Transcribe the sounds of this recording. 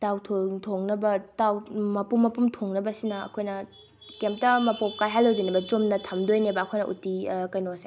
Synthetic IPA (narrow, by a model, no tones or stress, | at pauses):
tawtʰotʰoŋnɐbɐtawmɐpumːɐpumtʰoŋnɐbɐsinɐɐ̰kʰojnɐ | kemp̚tɐmɐpop̚kajɦalːowd͡ʒojnɐbɐt͡ʃomnɐtʰɐmdojnebɐːkʰojnɐ̰ʔṵtikɐjnose